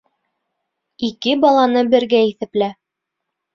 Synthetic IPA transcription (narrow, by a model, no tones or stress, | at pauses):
ikɘbɑlˠɑnɤbɘ̆ɾɡæiθɘ̆plæ